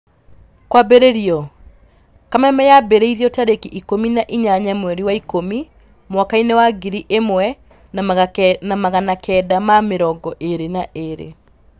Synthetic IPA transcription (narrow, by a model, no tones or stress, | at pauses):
kwabeɾeɾiɔ | kamɛmɛjabeɾeiɾiɔtaɾekiʔikominaʔiɲaɲamwɛɾiwaikomi | mwakainewaɡiɾiʔemwɛ | namaɣanakɛdamameɾɔɡɔʔeɾenaʔeɾḛ